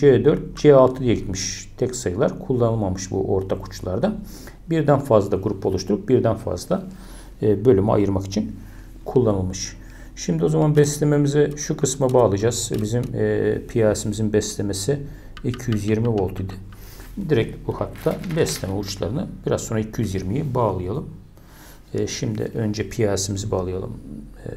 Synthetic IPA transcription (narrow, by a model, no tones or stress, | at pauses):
d͡ʒed̪øɾt̪̚d͡ʒɛalˠt̪ʰɯd̪ijeɟit̪miʃt̪ʰɛcsajɯlˠaɾkʰulˠːanɯlˠmamɯʃbṵʔo̞ɾt̪ʰakʰu̥t͡ʃlˠaɾd̪a | biɾd̪ænfazlˠad̪aɡuɾupʰo̞lˠuʃt̪ʰuɾup̚biɾd̪ænfa̰zlˠaː | bø̞lʲymɛa̰jɯɾmaki̥t͡ʃʰin | kʰulˠːanɯlˠmɯʃ | ʃimd̪io̞zamanbɛslʲe̞me̞mizɛʃukʰɯsmabaːlˠɯd͡ʒaz̥vɛ̰bizimːpʰijaːsimizinbɛslʲemesɪ | icʰijyzjiɾmivo̞lˠt̪ʰid̪ɪ | d̪iɾɛc̚buhat̪ʰːabɛslʲemɛut͡ʃlˠa̰ɾɯnɯb̥iɾazo̞nɾaicʰijyzjiɾmijibaːlˠɯjalˠɯmː | ʃimd̪ɪ̰ʔø̞nd͡ʒɛpʰijaːsimizibaːlˠɯja̰lˠɯ̰m